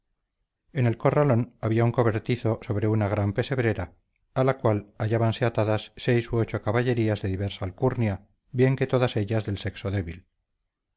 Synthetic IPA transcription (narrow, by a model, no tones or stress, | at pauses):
e̞ne̞lko̞ralo̞naβiauŋko̞βe̞ɾt̪iθo̞so̞β̞ɾe̞unaɣɾampe̞se̞βɾe̞ɾa | alakwalaʎaβanse̞at̪aðasːe̞jsoot͡ʃo̞kaβaʎe̞ɾiazðe̞ðiβeɾsalkuɾnja | bje̞ŋket̪o̞ðase̞ʎazðe̞lse̞kso̞ðe̞βil